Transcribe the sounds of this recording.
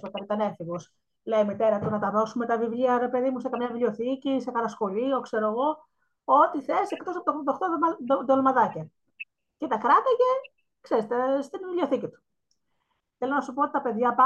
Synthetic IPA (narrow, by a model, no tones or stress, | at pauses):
sokɐɾit̪ɐneθiɣus | lejimit̪e̞ɾɐt̪unɐt̪ɐðo̞sume̞t̪ɐvivliɐɾe̞pe̞ðimusekɐmɲɐvilio̞θicisekɐlɐsxo̞lio̞kse̞ɾoɣo̞ | o̞t̪iθeɾisekt̪osɐpot̪oxd̪ɐxt̪od̪olmɐðɐcɐ | cet̪ɐkɾɐt̪ɐʝe̞ | kseɾest̪est̪invilʲeoθicit̪u̥ | θe̞lonɐsupoot̪it̪ɐpe̞ðʝɐpɐ